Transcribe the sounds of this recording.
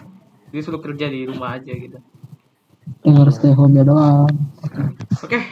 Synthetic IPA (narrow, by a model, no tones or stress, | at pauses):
disulʊk̚t̪ərd͡ʒadiɾumahːd͡ʒaɡit̪u | dəŋəɾst̪eɦɔmiadoa